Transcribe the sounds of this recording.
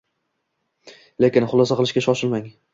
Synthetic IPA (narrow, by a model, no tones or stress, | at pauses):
le̞kʲɪnχʊlˠasaqɨlˠɪʃkʲaʃɒʃɪlmaŋ